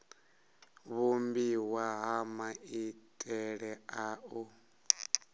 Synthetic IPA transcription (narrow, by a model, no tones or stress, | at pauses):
βumbiwaɦamaitʼɛɺɛaʔɔ